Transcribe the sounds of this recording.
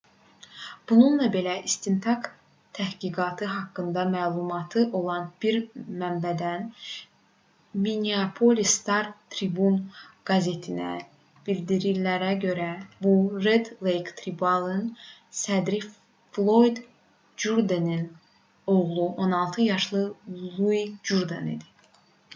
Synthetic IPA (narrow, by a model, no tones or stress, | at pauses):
b̥ununlˠɑbe̞læʔist̪int̪ʰɑk | t̪ʰæhɡiɡɑːt̪ʰɯɦɑkːɯnd̪ɑmæːlˠumɑt̪ʰɯʔo̞lˠɑnb̥iɾmæmbæd̪æn | miniapʰolʲist̪ɑɾt̪ʰɾibunɡ̥ɑze̞t̪ʰinæ̰ | b̥ild̪iɾiɾlæɾæɟø̞ɾæbuɾed̪lejkt̪ʰɾibɑlˠɯnsæd̪ɾi | flˠo̞jd̪ | d͡ʒuɾd̪enin | o̞ɣlˠuʔo̞nɑlˠt̪ʰɯjɑʃlˠɯlˠuid͡ʒuɾd̪enḭd̪i̥